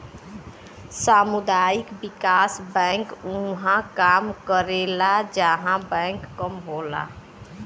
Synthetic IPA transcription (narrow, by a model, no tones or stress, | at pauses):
samud̪aikbikasbɛ̃ŋkuɦãkamkəɾelad͡ʒəɦãbə̃ŋkːəmɦola̰